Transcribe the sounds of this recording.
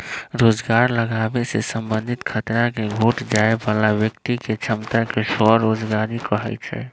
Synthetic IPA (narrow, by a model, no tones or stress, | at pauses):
ɾod͡ʒɡaɾləɡabesesəmbənd̪ʱit̪kʰət̪ɾakeɡʱoʈd͡ʒaebalabjəkt̪iket͡ʃʰəmt̪akesɔɾod͡ʒɡaɾikəɦɛ̰t͡ʃʰɛ̰